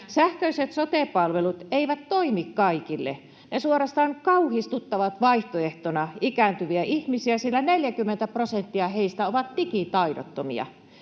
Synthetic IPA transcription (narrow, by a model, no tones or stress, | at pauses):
sæhkøiset̪sot̪eˑpɑlʋelut̪eiʋæt̪toimikkɑikilːḛ | nesuorɑst̪ɑːŋkɑuhist̪ut̪ːɑʋɑt̪ʋɑiht̪oeht̪onɑikæːˑnt̪yʋiæʔihmisiæsilːæneljækymːent̪æprosent̪ːiɑheist̪æoʋɑt̪t̪ikit̪ɑido̰t̪ːomḭɑ̰